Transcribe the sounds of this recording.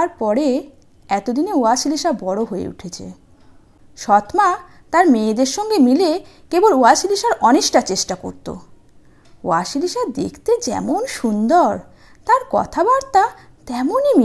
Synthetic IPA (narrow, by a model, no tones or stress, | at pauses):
aɾpɔɾe | ɛt̪od̪ineoaʃiliʃabɔɽoɦoḛṵʈʰet͡ɕʰḛ | ʃɔt̪ma | t̪aɾmeːd̪eɾʃɔŋɡemilekeboloaʃiliʃaɾɔneʃʈat͡ɕeʃʈako̰ɾt̪o̰ | oaʃiliʃad̪ḛkʰt̪ed͡ʑɛ̰monʃund̪oɾ | t̪aɾkɔ̰t̪ʰabaɾt̪a | t̪ɛmonimi